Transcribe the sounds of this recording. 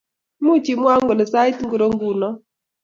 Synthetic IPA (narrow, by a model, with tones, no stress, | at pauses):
mu˦t͡ʃi˨mwa˦ŋɡo˨le˨sa˦i˦tŋɡu˨ɾo˦ŋɡu˨nɔ˦